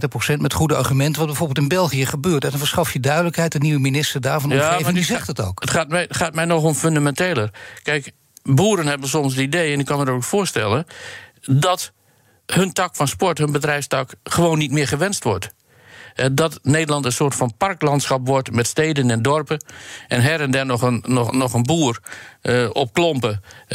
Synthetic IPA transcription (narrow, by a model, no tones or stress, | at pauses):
təprosɛntmɛtχudəa̰rχymɛntəʋɑt̚bɛjvorbɪlˠtɪnbɛlˠχijəχəbøːtɛdɔnfəɹsχɑfjədœɥdələkɦɛjtəniʋəminɪstərdaːɹvɑnjɔandizɛxtəto̰wkətχaːt̚mɛχaːt̚mɛjnɔxɔmføndamɛnteːlˠərkɛjk | buːɾənhɛbənsɔmsdəideːɛnɪkːɔnmənokfʊːɹstɛlˠən | dɔt | həntɑkfɔnspɔɹthənbədrɛjfstɑkχəʋoːnːitmɪərχəʋɛnstʋɔɹt | hɛdɔtneːdərlɑntənsoətfɔnpɑrklɑntsxɑpʋɔɹtmɛtsteːdənɛndɔrpəʔɛnɦɛɾəndɛnɔxənɔxənbuːər | ɔp̚klɔmpə